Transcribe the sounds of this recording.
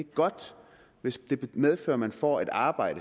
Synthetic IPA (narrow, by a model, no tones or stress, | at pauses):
eɡ̥ɡ̥ɒ̽d̥ | ʋesd̥e̝̥með̞ˠfø̰ːɐmænfɒ̰ːed̥ɑ̈ːb̥ɑ̈ɪ̰ɾə